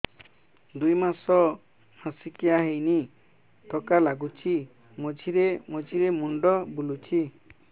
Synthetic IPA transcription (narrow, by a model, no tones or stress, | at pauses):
d̪ujmasɔ | hãsikijaɦejni | t̪ʰɔkalaɡut͡ʃʰi | mɔd͡ʒʱiɾemod͡ʒʱiɾemuɳɖɔbulut͡ʃʰi